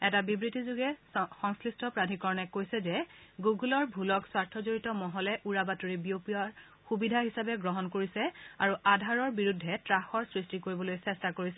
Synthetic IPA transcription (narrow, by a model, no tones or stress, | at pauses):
ɛtabibɹitizuɡɛxɔŋslistʰɔpɹadʱikɔɹɔnɛkojsɛzɛɡuɡulɔɹbʱulɔkswaɹtʰɔzoɹitɔmɔɦɔlɛʔuɹabatuɹibiopiaɹ | xubidʱaɦisabɛɡɹɔɦɔnkoɹisɛaɹuʔadʱaɹɔɹbiɹudʱːɛtɹaxɔɹsɹistikoɹibɔlojsɛstakoɹisɛ